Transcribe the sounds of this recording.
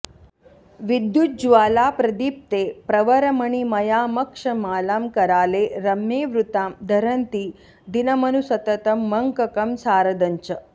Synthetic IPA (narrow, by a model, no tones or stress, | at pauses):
ʋid̪jut̪̚d͡ʒuʋaːlaːpɾɐd̪iːp̚t̪eːpɾɐʋɐɾɐmɐɳ̃imɐjaːmɐkʂɐmaːlaːmkɐɾaːleːɾɐmːeːʋɾut̪aːmd̪ʱɐɾɐnt̪iː | d̪inɐmɐnusɐt̪ɐt̪ɐmːɐŋkɐkɐmsaːɾɐd̪ɐɲt͡ʃɐ